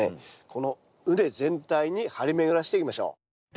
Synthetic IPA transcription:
ḛkʰo̞no̞ | ɯ̟d̪e̞zẽ̞nt̪aiɲ̟ihaɾʲime̞ɡɯ̟ɾaɕ̬i̥t̪e̞ikʲimaɕo̞̰ː

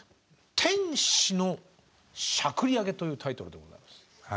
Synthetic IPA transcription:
t̪ʰẽ̞ɰ̃ɕino̞ | ɕakɯ̟ɾʲiaɡe̞t̪o̞jɯ̟ːt̪ʰait̪o̞ɾɯ̟d̪e̞ɡoza̰imasɨ̥

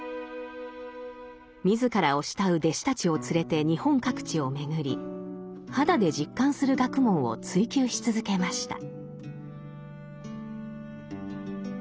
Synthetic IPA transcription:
mʲizɨkaɾao̞ɕi̥t̪aɯ̟d̪e̞ɕi̥t̪at͡ɕio̞t͡sɨɾe̞t̪e̞ɲ̟ihõ̞ŋkakɯ̟̥t͡ɕio̞me̞ɡɯ̟ɾʲi | had̪ad̪e̞d͡ʑikːãɰ̃sɨɾɯ̟ɡakɯ̟mõ̞ɰ̃o̞̰t͡sɨikʲɨːɕi̥t͡sɨzɨke̞maɕi̥t̪a̰

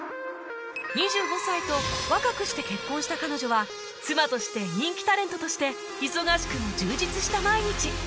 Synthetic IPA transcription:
ɲ̟iʑɨːɡo̞sait̪o̞βakakɯ̟ɕi̥t̪e̞ke̞kːõɕi̥t̪akano̞ʑo̞βa | t͡sɨmat̪o̞ɕi̥t̪e̞ɲ̟ĩŋkʲi̥t̪aɾe̞nt̪o̞t̪o̞ɕi̥t̪e̞ | çiso̞ɡaɕi̥kɯ̟mod͡ʑɨːd͡ʑit͡sɨɕi̥t̪amaiɲ̟it͡ɕi

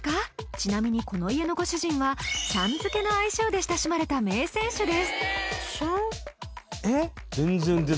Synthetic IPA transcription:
kat͡ɕinamʲiɲ̟iko̞no̞ie̞no̞ɡo̞ɕɨʑĩɰ̃βasãnd͡zɨke̞no̞aiɕo̞ːd̪e̞ɕi̥t̪aɕimaɾe̞t̪ame̞ːsẽ̞ɰ̃ɕɨd̪e̞sɨ̥ɕo | e | zẽnzẽnd̪e

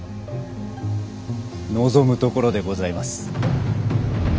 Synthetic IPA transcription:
no̞zo̞mɯ̟t̪o̞ko̞ɾo̞d̪e̞ɡo̞zaimasɨ̥

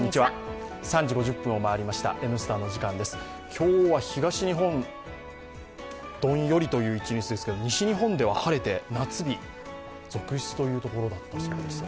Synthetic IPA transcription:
ɲːit͡ɕiβasãɲ̟d͡ʑiɡo̞ʑɨpːɯ̃o̞maːɾʲimaɕi̥t̪a̰ʔe̞mɯ̟sɨ̥t̪aːnːo̞ʑikãnd̪e̞sɨ̥ | kʲʰo̞ːβaçiɡaɕiɲ̟iɦõ̞n | d̪̥õ̞ɰ̃jo̞ɾʲit̪o̞jɯ̟ːit͡ɕiɲit͡sɨd̪e̞sɨ̥ke̞d̪o̞ɲ̟iɕiɲ̟iɦõ̞nd̪e̞β̞ahaɾe̞t̪e̞nat͡sɨbʲi | d͡zo̞kɯ̟ɕt͡sɨ̥t̪o̞jɯ̟ːt̪o̞ko̞ɾo̞d̪at̪ːaɕi̥kad̪es

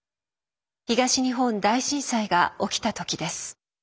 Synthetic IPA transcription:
çiɡaɕiɲ̟iɦõ̞nd̪aiɕĩɰ̃saiɡao̞kʲi̥t̪at̪o̞kʲid̪e̞sɨ̥

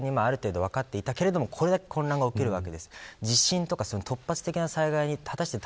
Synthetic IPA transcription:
ɲ̟ːimaaɾɯ̟t̪e̞ːd̪o̞βakat̪ːe̞it̪ake̞ɾe̞d̪o̞mo̞kʰo̞ɾe̞d̪ake̞̥kʰõ̞nːãŋɡaoke̞ɾɯ̟βake̞d̪e̞sɨ̥d͡ʑiɕːĩnt̪o̞kaso̞not̪ʰo̞pːat͡sɨ̥t̪e̞kʲinasaiɡaiɲ̟iat̪aɕi̥t̪e̞t̪

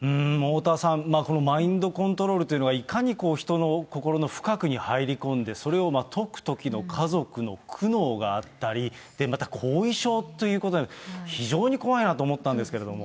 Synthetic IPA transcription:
ɯ̟̃moːt̪aːsãmmaːko̞no̞maĩnd̪o̞kõ̞nt̪o̞ɾo̞ːɾɯt̪oiɯ̟no̞ɡaikaɲ̟ikoːçi̥t̪o̞no̞ko̞ko̞ɾo̞no̞ɸɯ̟̥kakɯ̟ɲ̟ihaiɾʲikõ̞nd̪e̞so̞ɾe̞o̞mat̪ʰo̞kɯ̟̥t̪o̞kʲino̞kʰazo̞kɯ̟no̞kʰɯ̟no̞ːɡaat̪ːaɾʲid̪̥e̞mat̪akʰo̞ːiɕo̞ːt̪ːojɯ̟ːkoo̞nadçiʑo̞ːɲ̟iko̞βainat̪o̞ːmo̞t̪ːãnd̪esɨ̥ke̞ɾe̞d̪o̞mo̞

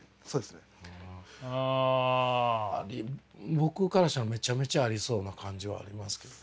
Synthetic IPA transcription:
soːd̪esne | a | ɾʲibo̞kɯ̟kaɾaɕanome̞t͡ɕame̞t͡ɕaːɾʲiso̞ːnakʰãɲ̟d͡ʑiβa̰a̰ɾʲimasɨ̥ke̞d̪on

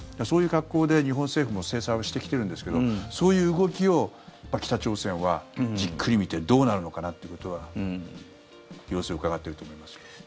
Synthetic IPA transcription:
d̪aso̞ːjɯ̟ːɡakːo̞ːd̪e̞ɲ̟iɦõseːɸɯmo̞se̞ːsãjβaɕi̥t̪e̞kʲi̥t̪e̞ɾɯ̟nd̪e̞sɨ̥ke̞d̪o̞so̞ːjɯ̟ːɡo̞kʲio̞pːakʲi̥t̪at͡ɕo̞ːsẽ̞ɰ̃βad͡ʑikʰːɯ̟ɾʲimʲit̪e̞d̪o̞ːnaɾɯ̟no̞kanat̪ːejɯ̟ko̞t̪o̞βa | jo̞ːsɨoɯ̟kaɡat̪ːe̞ɾɯ̟t̪o̞ːmo̞imasɨ̥

